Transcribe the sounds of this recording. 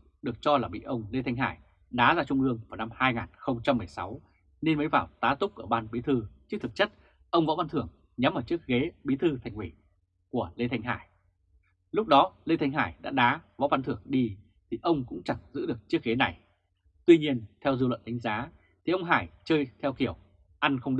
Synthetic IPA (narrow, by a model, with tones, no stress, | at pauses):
ɗɨ˨˩ək̚t͡ɕɔ˧laː˨˩ɓḭ˧˨ʔə˧wŋ͡mle˧t̪ʰa˧jŋ̟ɦa̰ː˧˩j | ɗaː˨˦zaː˧t͡ɕʊ˧ŋ͡mʔɨ˧əŋvaː˨˩wna˧mhaː˧jŋaː˨˩nxə˧wŋ͡mt͡ɕa˧mːɨ˨˩əjsa˨˦w | ne˧nməː˨˦jvaː˧˩wt̪aː˨˦t̪ʊ˦˥k͡p̚ʔəː˧˩ɓaː˧nɓi˨˦t̪ʰɨ˧t͡ɕɨ˦˥k̚t̪ʰɨ˨˩k̚t͡ɕə˦˥t̚ | ʔə˧wŋ͡mvɔ̰˧˥va˧nt̪ɨ˨˩əŋ | ɲa˨˦mʔəː˧˩t͡ɕɨ˦˥ək̚ɣe˨˦ɓi˨˦t̪ʰɨ˧t̪ʰa˨˩jŋ̟wḭ˧˩ | ku˧˩əle˧t̪ʰa˧jŋ̟ɦa̰ː˧˩j | lʊ˦˥k͡p̚ɗɔ˨˦le˧t̪ʰa˧ŋ̟ɦa̰ː˧˩jɗa̰ː˧˥ɗaː˨˦vɔ̰˧˥va˨˧nt̪ʰɨ˧˩əŋɗi˧ | t̪ʰi˨˩ʔə˧wŋ͡mkʊ̰˧˥ŋ͡mt͡ɕa˧˩ŋzɨ̰˧˥ɗɨ˨˩ək̚t͡ɕɨ˦˥ək̚ɣe˨˦na˨˩j | t̪wi˧ɲi˧ənt̪ʰɛ˧wzɨ˧lwə̰˧˨nɗa˨˦ŋ̟zaː˨˦ | t̪ʰi˨˩ʔə˧wŋ͡mɦaː˧˩jt͡ɕəː˧jt̪ʰɛ˧wki˧˩əw | ʔa˧nxə˧ŋ͡mɗ